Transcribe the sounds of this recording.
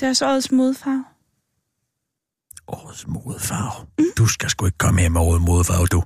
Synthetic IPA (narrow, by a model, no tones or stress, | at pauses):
d̥æɐsɒð̩ˠsmoːð̞ˠfɑ̈ʊ | ʔɒð̩ˠsmoðˠfɑ̈ʊd̥usɡ̥æsɡ̥ueɡ̥ə̥kʰɒ̽məeɐmeɔːð̩ˠmo̝ðˠfɑ̰̈ːʊd̥u